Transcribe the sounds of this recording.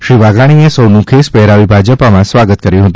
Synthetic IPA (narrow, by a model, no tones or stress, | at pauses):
ʃɾiʋaɡaɽ̃iesəwnũkʰespɛɦɾaʋibʱad͡ʒəpamãsʋaɡət̪kəɾjũɦət̪ũ